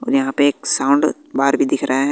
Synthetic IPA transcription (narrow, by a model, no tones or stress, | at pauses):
ɔ̰ːɾjɐɦãpeːksãːʊ̃ɳɖ | baːɾbʱid̪ɪkʰɾɐɦeɦɛ̃